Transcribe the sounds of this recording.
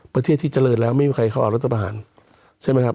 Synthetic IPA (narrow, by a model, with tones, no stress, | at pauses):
pɾa˧e˥˩t̪ʰːiː˥˩t͡ɕa˧lɤː˧t̪̚lɛː˦˥wma˥˩jiː˧kʰa˧jka˥˩wʔa˨˩ɾa˦˥t̪ʰːa˧pa˧ɦa̰ː˩˦n | t͡ɕʰa˥˩jma˦˥kʰa˦˥p